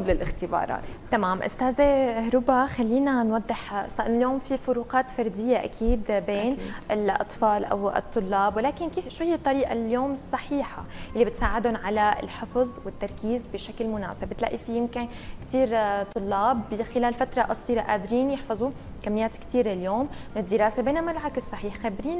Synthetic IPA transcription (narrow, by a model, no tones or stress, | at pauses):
blɪlʔɪxt̪ɪbɑ̰ːɾˤɑ̰ːt̪t̪amaːmʔʊ̰st̪aːzahɾʊbaxalːiːnanwɑd̪ˤːɪħsˤɑʔɪnljoːmfifʊɾuːqɑːt̪fɑɾˤd̪ɪjːaʔa̰kʰiːd̪beːnʔɪlʔɑ̰t̪ˤfɑːlʔa̰wɨ̰t̪ˤːʊlːɑːbwlaːkɪnkiːfʃwajːɪt̪ˤːɑɾiːʔa̰ljoːmɨsˤːɑħiːħajʔɪlːibɪt̪saːʕɪd̪ʊnʕalaɪ̰lħɪfzˤwɪt̪ːɑɾˤkiːzbɪʃaklmʊna̰ːsɪbbt̪la̰ʔifijɪmkɪn | kt̪iːɾt̪ˤːʊlːɑːbɪxɪlaːlfat̪ɾˤɑʔɑsˤiːɾɑʔaːd̪ɾiːnjɪħfɑzˤu | kamːɪjaːt̪kt̪iːɾɪljoːmmːɪnɪd̪ːɪɾaːsebeːnamalʕakɪsˤːɑħiːħxabɾiːn